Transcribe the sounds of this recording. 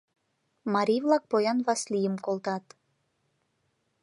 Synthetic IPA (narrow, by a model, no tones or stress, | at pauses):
mɑɾʲivlˠɑk̚pojɑnvɑslijəmkolˠt̪ɑt̪